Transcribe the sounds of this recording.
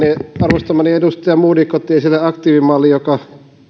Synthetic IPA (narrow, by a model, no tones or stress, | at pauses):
iɑrʋost̪ɑmɑniedust̪ɑjɑmuːdikot̪ːˑiːnsilːeɑkt̪iːʋimɑlːijjokɑ